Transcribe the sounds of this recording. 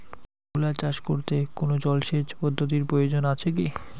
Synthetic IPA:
ɡulat͡ɕaʃkoɾt̪ekonod͡ʑɔlʃet͡ɕpɔd̪ʱːot̪̬iɾpɾojod͡ʑonat͡ɕʰek̬i

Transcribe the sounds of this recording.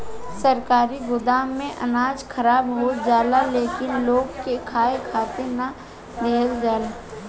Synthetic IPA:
sɐɾkaːɾiɡʊd̪aːmːẽʔɐ̰naːd͡ʒkʰɐɾaːbɦoːd͡ʒaːlaleːkɪnloːɡkekʰaːekʰaːt̪enɐ | d̪ʱeːld͡ʒaːla

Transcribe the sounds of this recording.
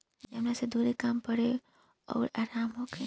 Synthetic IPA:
ɐmnased̪ʱuːɾekaːmpəɽe | ɔ̰ːɾaːɾaːmɦoːɡe

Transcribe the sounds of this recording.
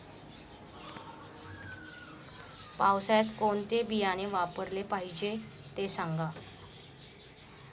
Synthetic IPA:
pawsajat̪koɳt̪ebijaneʋapəɾlepaɦid͡ʑet̪esãŋɡa

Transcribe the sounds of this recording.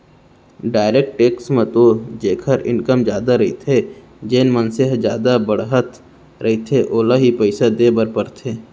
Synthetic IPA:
ɖaːɪɾeːk̚ʈʈːeːksmẽt̪od͡ʒeːkʰəɾɪ̰̃nkəmd͡ʒjaːd̪aɾɐɦit̪ʰe | d͡ʒeːnmənsɪɦd͡ʒjaːd̪abɐɽɦət̪ | ɾʔɐɦit̪ʰeʔoːlaɦipəɪsad̪eːbəɾpəɾt̪ʰeː

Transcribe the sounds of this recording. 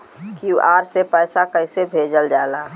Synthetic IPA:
kiuʔaːɾsepɛːsakəɪsebʱeːd͡ʒəld͡ʒaːlaː

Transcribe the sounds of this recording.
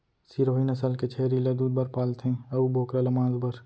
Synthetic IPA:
siɾoːɦinɐsəlket͡ʃʰeːɾilɐd̪uːd̪̚bɐɾpaːlt̪ʰɦẽːɐuboːkɾalɐmãːzbɐɾ

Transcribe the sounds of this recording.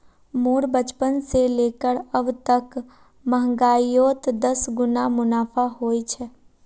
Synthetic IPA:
moːɾbət͡ʃpənseleːkəɾəbt̪ək | məɦŋɡaːijoːt̪d̪əsɡʊnamʊnaːpʰaɦoːit͡ʃʰɛ

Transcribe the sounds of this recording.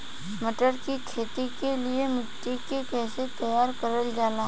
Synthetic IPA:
sməʈəɾkikʰeːt̪ikeliemɪt̪ːikekɛːset̪ɐjaːɾkəɾəld͡ʒaːlaː

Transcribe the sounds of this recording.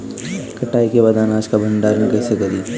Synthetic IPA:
kɐʈaːikebaːd̪aːnaːd͡ʒkabʱɐ̃ɳɖaɾɐ̃ŋɡkɐɦsekɐd̪iː

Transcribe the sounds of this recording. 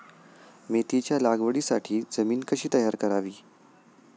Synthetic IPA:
met̪it͡ɕjalaɡʋəɽiːsaʈʰiːd͡zəmiːnkəɕiːt̪əjaɾkəɾaʋiː

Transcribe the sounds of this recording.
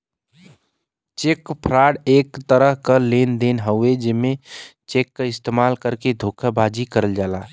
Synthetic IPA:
t͡ʃekːpʰɾaːɽekt̪əɾəɦkəlend̪enɦəʊed͡ʒemẽt͡ʃekːəɪst̪emalkəɾked̪ʱokʰəbad͡ʒikəɾəld͡ʒaːla

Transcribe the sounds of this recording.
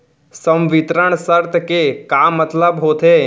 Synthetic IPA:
sə̃mʋɪt̪ɾəɳ̃səɾt̪kekaːmət̪ləbɦoːt̪eː

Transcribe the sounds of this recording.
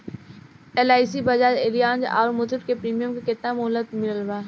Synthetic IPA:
elaːɪsibɐd͡ʒaːɾeːlijaːnd͡ʒa̰ːɾmʊd̪əʈ̚kepɾiːmijəmkekɪt̪namʊlət̪mɪləlʋaː

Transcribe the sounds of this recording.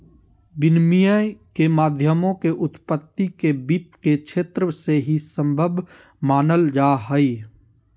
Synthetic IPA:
bɪnmijəjkemaːd̪ʱjəmõkeʔʊt̪pət̪ːikebit̪kekʃʰeːt̪ɾəseɦisə̃mbʱəbʱ | maːnəld͡ʒaːɦəi

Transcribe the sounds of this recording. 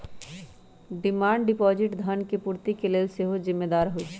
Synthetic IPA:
ɖɪmaːɳɖɖɪpɔːd͡ʒɪʈd̪ʱənkepuːɾt̪ikeleːlseɦozɪmːed̪aːɾɦoit͡ʃʰ

